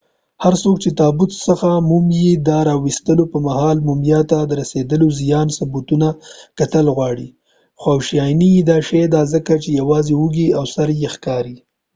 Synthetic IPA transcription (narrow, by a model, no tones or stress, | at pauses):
haɾsok̚t͡ʃet̪ɑbʊt̪səxamumjed̪ɑɾɑwist̪əlopəmahɑlmumjɑt̪ad̪əɾased̪əlozijɑnsʊbut̪unakat̪əlɣwɑɽi | xwawʃijɑjnijid̪ɑʃed̪ɑzəkat͡ʃejawɑzewuɡiawsaɾjexkɑɾi